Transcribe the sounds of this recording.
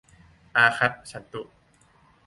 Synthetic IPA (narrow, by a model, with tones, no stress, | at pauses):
ʔaː˧xʰa˦˥t̪̚sa˨˦nt̪u˧˨ʔ